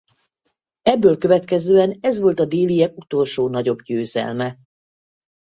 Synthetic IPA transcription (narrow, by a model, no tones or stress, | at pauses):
ɛbːøːlkø̞vɛt̪kɛzøːɛnɛzʋo̞lt̪ɒd̪eːlijɛk̚ut̪o̞lʃoːnɒɟo̞bɟøːzɛ̰lmɛ